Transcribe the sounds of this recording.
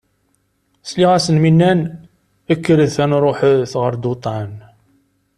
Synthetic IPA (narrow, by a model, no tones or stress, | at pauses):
sliʁæsənminːæn | əkːəɾəðθænɾˤoħθʁəɾd̪ut̪ˤɑn